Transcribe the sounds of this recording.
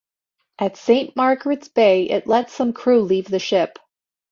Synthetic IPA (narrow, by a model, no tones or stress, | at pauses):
ʔɨtsẽɪ̃nʔmɑɹɡɹɨtsb̥eɪʔɪ̰tˡlɛtsʌ̃mkʰɹ̥ʉlivðɨʃɪp